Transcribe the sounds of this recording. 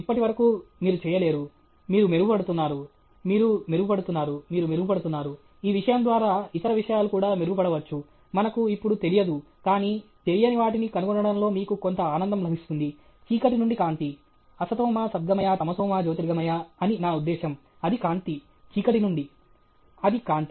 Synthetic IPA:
ipːɐʈiʋɐɾɐkuːmiːɾut͡ʃɛːjɐle̞ːɾu | miːɾumeɾuɡupɐɽut̪unːaːɾu | miːɾumeɾuɡupɐɽut̪unːaːɾumiːɾumeɾuɡupɐɽut̪unːaːɾu | iːʋiʂɐjɐnd̪ʋaːɾaːit̪ɐɾɐʋiʂɐjaːlukuːɽaːmeɾuɡup̬ɐɽɐʋɐt͡ʃːu | mɐnɐkuipːuɽut̪elijɐd̪u | kaːniːt̪e̞lijɐniʋaːʈinikɐnuɡɔɳːɐɽɐnlo̞ːmiːkukont̪ɐaːnɐnd̪ɐmlɐbʱist̪und̪i | t͡ʃiːkɐʈ̬inuɳɖikaːnt̪i | ɐsɐt̪ɔːmaːsɐd̪̚ɡɐmɐjaːt̪ɐmɐt̪ɔːmaːd͡ʒoːt̪iɾiɡɐmɐjaɐninaːud̪ːɛːʃɐm | ɐd̪ikaːnt̪i | t͡ʃiːkɐʈinuɳɖi | ɐd̪ikaːnt̪i

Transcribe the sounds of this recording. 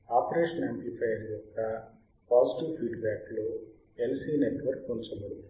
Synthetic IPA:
aːpɾeːʂɐnempipʰɐjljɔkːɐ | paːd͡ʒiʈiʋpʰiːɖbæːklo | elsiːneʈʋɐɾkunt͡ʃɐmɐlu

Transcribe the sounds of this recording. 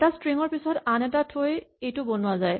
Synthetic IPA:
tastɹiŋɔɹpisɔtanɛtatʰojejtʊbonʊwazaj

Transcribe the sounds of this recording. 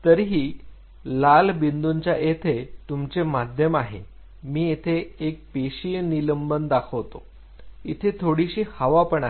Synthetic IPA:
t̪əɾɦiː | lalbind̪uɲt͡ɕjaʔet̪ʰet̪umt͡semad̪ʱjəmaɦḛ | miːjet̪ʰeːk̚peɕijniləmbənd̪akʰəʋt̪o | it̪ʰet̪ʰoɽiɕiːhəʋapəɳa

